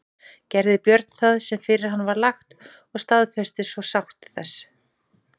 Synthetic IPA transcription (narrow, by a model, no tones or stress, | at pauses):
cɛɾðɪpjœɾt̪n̥θaðsɛmfɪɾɪɾ̥ɦanːvaɾlaxt̪ | ɔɣst̪aðfɛst̪ɪsvɔsawht̪θɛs